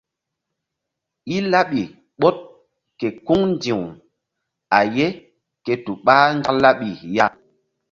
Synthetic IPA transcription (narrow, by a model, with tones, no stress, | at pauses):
i˦la˦ɓi˨ | ɓɔ˦t̚ | ke˨ku˦ŋndi˨w | a˨je˦ | ke˨tu˨ɓaː˦ŋɡa˦la˦ɓi˨ja˦